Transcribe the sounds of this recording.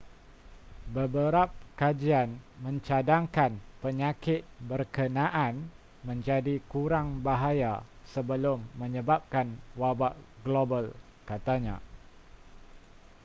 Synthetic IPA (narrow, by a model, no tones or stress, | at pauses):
bəbəɾap̚kad͡ʒianmə̃ɲt͡ʃadaŋkanpəɲakɪt̪̚bərkənãʔan | mə̃ɲd͡ʒadikuɾaŋbaɦajasəbəlʊmːəɲəbap̚kanwabaʔɡlobəl | kat̪aɲã̰